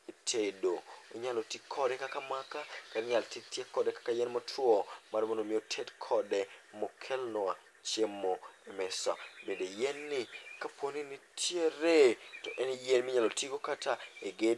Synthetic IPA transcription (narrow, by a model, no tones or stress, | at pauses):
etʰedoo̰ɲalotikʰːɔdɛkakamakakanɲaltitjekɔdɛkḁkajɛnmɔtɾwɔmaɾmonomɪotʰedkʰɔdɛmɔkʰɛlnɔa | t͡ʃjemːoemɛsa̰medejɛnːɪkapwoninitʰjeɾetɔʔɛnjenmɪɲalotiɡokataeɡe